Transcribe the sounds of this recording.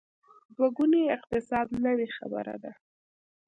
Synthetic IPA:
d̪waɡuneɪq̚t̪ɪsɑd̪nəwexa̰bə̰ɾa̰d̪a

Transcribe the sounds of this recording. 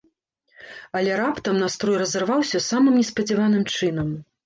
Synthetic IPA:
ɐlʲɛɾapt̪ɐmnast̪ɾɔjrɐzɐrvawsʲɐsamɨmnʲɛspɐd͡zʲivanɨmt͡ʂɨnɐm

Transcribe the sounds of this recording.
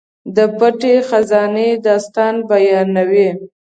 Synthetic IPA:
d̪əpaʈexazɑned̪ɑst̪ɑnbajɑnawi

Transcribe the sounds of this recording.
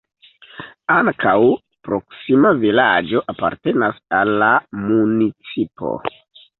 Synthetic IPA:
aŋkaw | pɾo̞ksimavilad͡ʒo̞ʔapa̰ɾte̞nasalːamunit͡sipo̰

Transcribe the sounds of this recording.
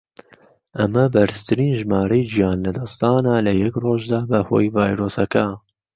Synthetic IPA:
ʔɐmɐbɐɾɨst̪ʰɨɾiːnʒmaːɾɐjd͡ʒijɑːnlɐd̪ɐst̪ɑːnalɐjɛkroːʒd̪aːbɐho̰ːjvɑːjɾoːsɐkɐ

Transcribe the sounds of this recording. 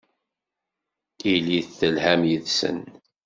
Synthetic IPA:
iliθθəlhæmjəðsə̰n

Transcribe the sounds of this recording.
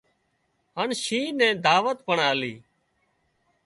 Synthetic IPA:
ɦəɳʃĩːnɛ̃ːd̪ʱaːʋət̪̚pəɳaːliː

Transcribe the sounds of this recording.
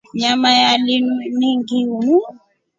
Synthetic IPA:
ɲamajaliniŋɡiuni

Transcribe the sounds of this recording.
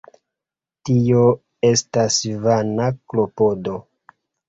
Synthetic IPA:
tio | e̞stasvanaklo̞po̞do̞

